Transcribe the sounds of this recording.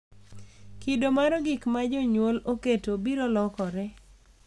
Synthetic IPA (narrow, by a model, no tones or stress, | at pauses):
kidomaɾɔɡɪkmad͡ʒoɲwoloketobiɾolɔkɔɾɛ